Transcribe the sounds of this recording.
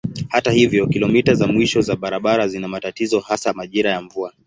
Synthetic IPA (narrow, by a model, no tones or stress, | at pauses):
hatahivjɔkilɔmitazamwiʃɔzaɓaɾaɓaɾazinamatatizɔhasamaʄiɾajaɱvua